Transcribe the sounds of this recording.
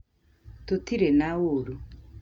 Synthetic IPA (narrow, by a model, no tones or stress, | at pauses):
totiɾenawoɾu